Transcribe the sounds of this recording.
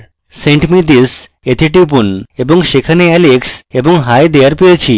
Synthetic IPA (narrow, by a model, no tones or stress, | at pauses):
sẽɳʈmid̪is | et̪ʰiʈip̬unebɔŋʃekʰaneɛleksebɔŋɦajd̪ejaɾpiet͡ɕʰi